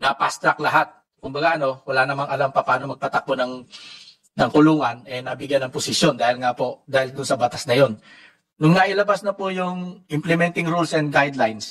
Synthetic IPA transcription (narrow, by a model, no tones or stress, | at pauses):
nɐpa̰st̪ɾɐklɐɦat̪̚ | kʊmbɐɡaʔɐno̞wɐlanɐmaŋɐlampɐpaaːnomɐɡ̚pat̪ɐk̚onɐŋ | nɐŋkʊluːŋɐnɛnɐbɪɡjanɐŋpʊsɪʃjo̞nd̪aːhɪlŋapoʔd̪aːhɪld̪ʊnsɐbat̪asnɐjo̞nː | ʊŋnaʔɪlɐbasnɐpʊjʊŋʔɪmplɛmɛnt̪ɪŋɾulsɛnd̪̚ɡajd̪lajns